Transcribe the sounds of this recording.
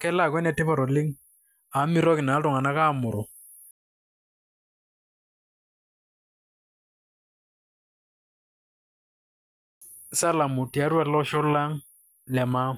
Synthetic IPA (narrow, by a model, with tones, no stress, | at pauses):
kɛ˦la˦˨kwɛ˦nɛ˨tɪ˦pɔ˨ɾɔ˨lɪ˦ŋ | a˨˦mi˦ɾɔ˦kɪ˨na˨˦tʊ˨ŋa˨na˦ka˦˨mʊ˨ɾɔ˨ | sa˦la˨mʊ˨ti˨a˨˦ɾwa˦lɔ˦ʃɔ˦la˦ŋ | lɛ˨ma˦